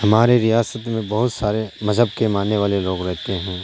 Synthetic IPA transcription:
hɐmaːɾeɾijaːsət̪mẽbɐɦʊt̪saːɾemɐzɦəb̚kemaːnːeʋaːleloːɡɾɛɦt̪eɦɛ̃ː

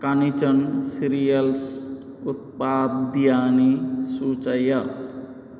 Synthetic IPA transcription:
kanit͡ʃənsiɾijʌls | ut̪̚pad̪̚d̪ijanisut͡ʃʌjʌ

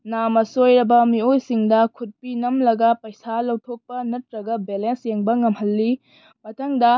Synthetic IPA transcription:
namɐsojɾɐbɐmiojsiŋdɐkʰut̚pinɐmlɐɡɐpɐjsalɐwtʰok̚pɐnɐtɾɐɡɐbelensjeŋbɐŋɐmhɐlːi | mɐtʰɐŋdɐ

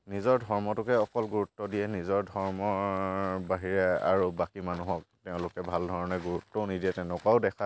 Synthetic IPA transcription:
nizɔɹdʱɔɹmɔtʊkɛɔkɔlɡuɹutːɔdiɛnizɔɹdʱɔɹmɔ | baɦiɹɛa̰ɹubakimanuɦɔk̚tɛʊ̃lʊkɛbʱaldʱɔɹɔnɛɡuɹutːɔnidiɛtɛʊ̃nʊkaʊdɛkʰa

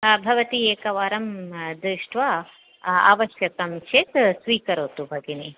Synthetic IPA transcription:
bʱɐʋɐt̪ieːkɐʋaːɾɐmd̪ɾɪʂʈʋa | a̰ːʋɐʃjɐkɐmt͡ʃet̪sʋiːkɐɾoːt̪ubʱɐɡene

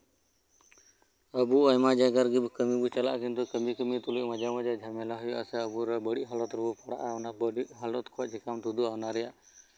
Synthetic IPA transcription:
əbuəjmad͡ʒaɡaɾɡibkəmibut͡ʃala̰ʔt͡ʃint̪ukəmikəmit̪uliʔməd͡ʒamad͡ʒad͡ʒʱamɛlaɦujʔa̰sɛəbuɾabəɽiʔɦalɔt̪ɾɔbupaɽa̰ʔaɔnabəɽiʔɦalɔt̪kʰɔaʔd͡ʒʰikamt̪ud̪uanaɾɛjaʔ

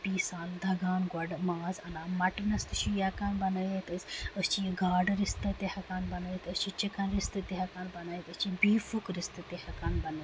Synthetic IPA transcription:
piːsaːld̪ʱɐɡaːnɡɐɖmaːzɐnaːmɐʈnɐst̪uʃijɐkaːnbɐnɐjet̪ɐsɐst͡ʃiɡaːɖɾist̪ɐt̪ehɐkaːnbɐnɐet̪ɐst͡ʃit͡ʃikɐnɾɪst̪ɨt̪eɦɐkaːnbɐnɐet̪ɐst͡ʃibiːfukɾist̪ɨt̪ehɐkaːnbɐnɐ

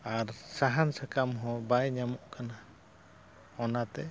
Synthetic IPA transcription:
aɾsaɦansakamɦɔ̃bajɲamɔʔkʰana | ɔnat̪ɛ

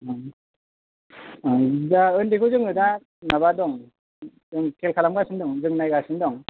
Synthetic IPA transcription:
daɯndikʰuzɯŋɯda | naβadɔŋ | zɯŋkʰelkʰalamɡasɯndɔŋzɯŋnajɡasɯndɔŋ

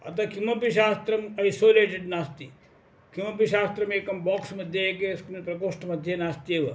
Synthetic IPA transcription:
ɐ̰t̪ɐkʰimɐpiʃaːst̪ɾɐmɐjsoːleːʈeɖnaːst̪i | kʰimɐpiʃaːst̪ɾɐmeːkɐmbɔːksmɐd̪ʱjeekeskunpɾɐkoːʂʈmɐd̪ʱjenaːst̪ieʋɐ

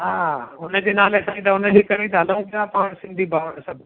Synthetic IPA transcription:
ɦaːɦʊnə̆d͡ʑeːnaːlesãːĩt̪̬ɐʊnəɦekɐɾĩt̪ɐɦɐlə̃ũbiaːpaːɽ̃sɪ̃nd̪ʱibʱaːʋəɽ̃sɐbʱ

